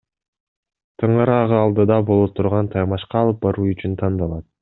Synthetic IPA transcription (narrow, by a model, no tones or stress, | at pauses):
t̪ʰɯɴɑɾɑʁɯɑlˠd̪ɯd̪ɑbo̞lˠot̪ʰuɾʁɑnt̪ʰɑjmɑʃqɑːlˠɯp̚bɑɾuːyt͡ʃynt̪ʰɑnd̪ɑlˠɑt̪̚